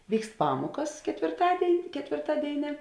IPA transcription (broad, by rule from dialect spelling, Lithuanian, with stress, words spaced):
ˈʋʲiːkst ˈpɑːmuɔkɐs kʲɛtʲʋʲɪrˈtɑːdʲeːɪnʲ kʲɛtʲʋʲɪrˈtɑːdʲeːɪnʲeː